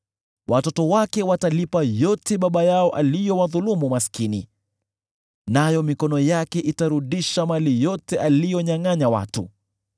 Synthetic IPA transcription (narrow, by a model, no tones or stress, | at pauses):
wʔatɔtɔwakɛwatalipajɔtʰɛɓaɓajaɔʔalijɔwaðulumumaskinḭ | najɔmikɔnɔjakɛʔitaɾuɗiʃamalijɔtɛʔalijɔɲaŋaɲawa̰tṵ